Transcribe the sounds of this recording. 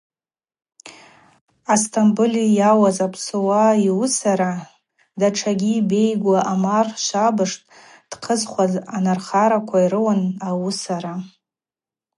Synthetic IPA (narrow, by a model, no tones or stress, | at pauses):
astʰambɨlijawazapʰsɨwaiwusaɾa | daʈ͡ʂʰaɡʲiːbe̞jɡʷaʔamarʃʷabɨʂtʼ | d̥qʰəzχʷazanarχaɾakʷʰaiɾɨwanawusaɾa